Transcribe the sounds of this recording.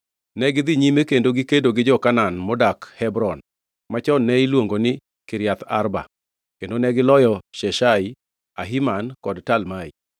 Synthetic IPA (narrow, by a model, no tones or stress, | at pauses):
nɛɡɪd̪ɪɲimekendoɡɪkedoɡɪd͡ʒɔkananmɔdakhɛbɾɔn | mat͡ʃɔnːɛilwoŋɡonɪ | kɪɾjat̪a̰rba̰ | kendonɛɡɪlɔjɔʃɛʃai | aɦimankɔdtalmai